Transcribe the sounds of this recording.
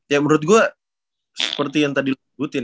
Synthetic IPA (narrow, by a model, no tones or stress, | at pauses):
jaməɾʊt̪̚ɡua | sə̥pərt̪ijaŋt̪adil | ɡut̪ɪn